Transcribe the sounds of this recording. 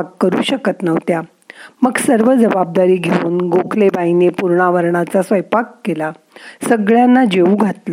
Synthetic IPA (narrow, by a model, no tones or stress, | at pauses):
kːəɾṵːɕəkət̪nəʋt̪ja | məɡsəɾʋəd͡zəbab̚d̪aɾiːɡʱeuːnɡokʰlebainepuɾɳaʋəɾɳat͡sasʋəjpakːela | səɡɭjanːad͡ʑeuːɡʱat̪la